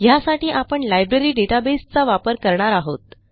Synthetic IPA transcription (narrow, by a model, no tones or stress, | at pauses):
jasaʈiːʔapəɳlajbɾeɾiːɖeʈabest͡saʋapəɾkəɾɳaɾaɦot̪̚